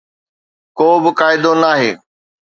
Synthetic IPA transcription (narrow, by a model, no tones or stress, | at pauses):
koːbɪkaːɪd̪onaːɦḛː